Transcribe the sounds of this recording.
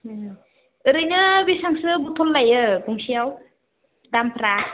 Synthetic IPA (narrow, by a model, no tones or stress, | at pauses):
ɯɾɯjnɯbisaŋsɯbut̪ʰɔlːajɯɡuŋsijaw | dampʰɾa